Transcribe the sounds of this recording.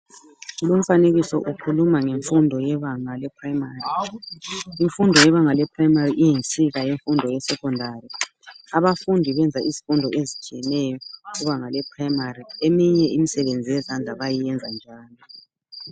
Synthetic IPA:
lum̩faneɣisɔ̰ʔukʰulumaŋeɱfundʱɔjɛβaŋalɛpʰraimari | iɱfundʱɔjɛβaŋalɛpʰraimariʔijint͡sʼiɣajeɱfundʱɔjɛsɛkʰʼɔndʱari | aβafundʱiβɛnd͡zʱaizifundʱɔʔezit͡ʃʰʼijɛnɛjɔɣuβaŋalɛpʰraimariemiɲɛʔimisɛβend͡zʱijɛzand͡ɮʱaβajijɛnd͡zʱand͡ʒʱaːni

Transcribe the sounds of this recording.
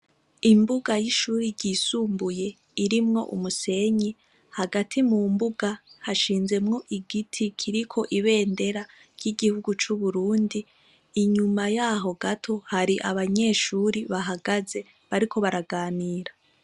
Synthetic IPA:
imbuɡajiʃuːɾiɾɟiːsuːmbuje̞ | iɾimŋo̞̰ʔṵmuse̞ɲi | haɡatʰimumbuɡahaʃiːnze̞mŋo̞ʔiɡitʰikʰiɾikʰo̞ʔiβe̞ːnde̞ɾa | ɾjiɡihuɡut͡ʃuβuɾuːndi | iɲumajaːɦo̞ɡatʰo̞haɾiʔa̰βaɲe̞ːʃuːɾiβaɦaɡaze̞ | βaɾikʰo̞βaɾaɡaːniːɾa

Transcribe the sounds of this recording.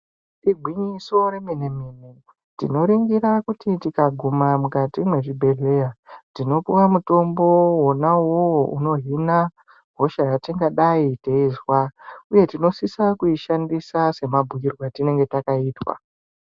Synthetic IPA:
tiɡʱwiɲiso̞ɾe̞minemine | tḭno̞ɾiŋɡiɾakutitikaɡʱumamukatimwe̞ʐibʱe̞ɮe̞jatino̞puwamuto̞mbo̞wonawowuno̞ɦina | ɦo̞ʃajatiŋɡaɗaiteizwauje̞tino̞sisakuiʃandisase̞mabʱujirwatine̞ŋɡe̞takaiːtwa̰

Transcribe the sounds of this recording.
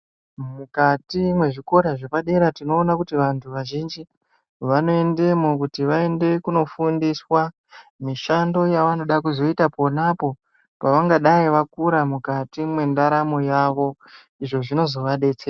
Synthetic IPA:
mukatimwe̞ʐiko̞ɾaʐepaɗe̞ɾatino̞ːnakutiʋantʰuʋaʒind͡ʒi | ʋano̞e̞nde̞mukutiʋae̞nde̞kuno̞fundiswa | miʃando̞jaʋano̞ɗakuzo̞itapo̞napo̞ | paʋaŋɡaɗaiʋakuɾamukatimwe̞ndaɾamo̞jaʋo̞ | iʐo̞ʐino̞zo̞ʋaɗe̞t͡se

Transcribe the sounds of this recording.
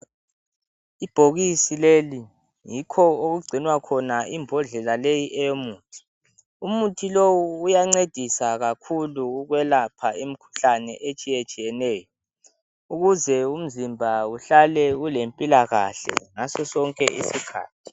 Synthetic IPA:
ib̥ʱoɣisileli | jikʰɔoɣuɡ͡ǀʱinwakʰɔnaʔimbʱɔɮɛlalejiʔɛjomuːtʰi̥ | umutʰilowuːjaŋ͡ǀed̥ʱisaɣakʰuluɣwɛlapʰaem̩kʰu̥ɬanɛ̰ʔet͡ʃʼijet͡ʃʼijɛnɛːjɔ | uɣuzɛum̩zimbʱauɬalɛulempʼilaɣa̰ɬɛ̰ŋasɔsɔŋkʼɛ̰ʔḭsikʰa̰ːtʰi̥

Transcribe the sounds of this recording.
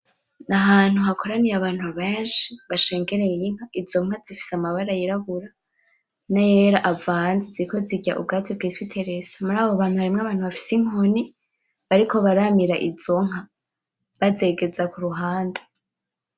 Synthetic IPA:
naɦaːn̥uhakʰo̞ɾanijaβaːn̥huβeːnʃiβaʃe̞ːŋɡe̞ɾejiŋ̥haʔizo̞ŋ̥azifi̥samaβaɾajiɾaβuɾa | najeːɾaʔavaːnziziɾiko̞ziɟa̰ʔṵb̚ɡaːt͡sibɡiːtwitʰeɾezamuɾaːβoβaːn̥uhaɾimŋaβaːnhuβafi̥siŋoni | βaɾiko̞βaɾamiɾaʔizo̞ŋ̥ɦa | βaze̞ːɡe̞zakuɾuɦaːnda

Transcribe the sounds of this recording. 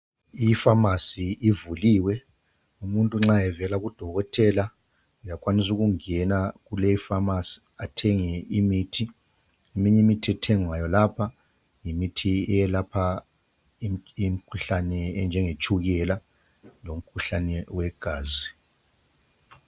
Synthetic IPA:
ifamasiivuliːwɛ | umuntʼuŋ͡ǁajɛvɛlaɣud̥ʱɔɣɔtʰɛla | jakʰwanis̬uɣuŋɛnaɣuleifamasi̥ | atʰɛŋɛimiːtʰi | imiɲɛmitʰiɛtʰɛŋwajɔlapʰa | jimitʰiɛjɛlapʰa | im̩kʰuɬanɛnd͡ʒʱɛŋet͡ʃʰʼuɣɛla | lom̩kʰuɬanɛwɛɡ̥ʱaːzi

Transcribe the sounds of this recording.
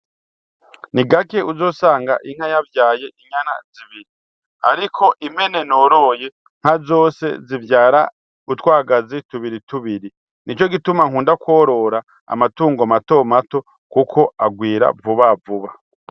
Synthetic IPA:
niɡake̞uzo̞ːsaːŋɡaʔiŋ̥hajavjaːje̞iɲana̰ziβiɾi | a̰ɾikʰo̞ʔime̞ne̞noɾo̞je̞ | ŋ̥hazo̞ːse̞̰zivjaːɾa̰ | utwaːɡazituβiɾituβiɾi | nit͡ʃo̞ɡitumaŋ̥uːndakwoɾo̞ɾa | a̰matuːŋɡoamato̞mato̞ | kukʰo̞aɡwiːɾa̰vuβavuβa

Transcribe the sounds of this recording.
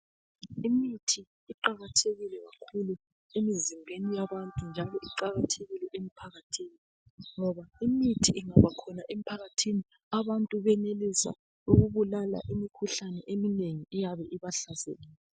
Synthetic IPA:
imitʰi | iǃaɣatʰeɣilɛɣa̰kʰulu | emizimbʱenijaβantʼund͡ʒʱalɔʔiǃaɣatʰeɣilɛʔemipʰaɣatʰiːni | ŋɔβaimitʰiʔiŋaβakʰɔnaʔemipʰaɣatʰini | aβantʼuβɛnelisa̰ | uɣuβulala̰ʔimikʰuɬanɛʔemineŋiijaβɛʔiβaɬazḛːɣiɛ

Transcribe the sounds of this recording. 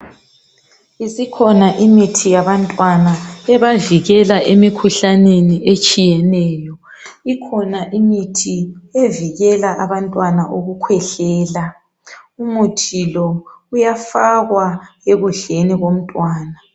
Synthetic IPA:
isikʰɔnaʔimitʰijaβantʼwanaɛβaviɣɛlaʔemikʰuɬaneniʔet͡ʃʼijɛnɛːjɔ | ikʰɔnaʔimitʰieviɣɛlaʔaβantʼwanaʔoɣukʰwɛɬɛːla | umutʰilɔujafaɣwaeɣuɮeniɣom̩tʼwaːna

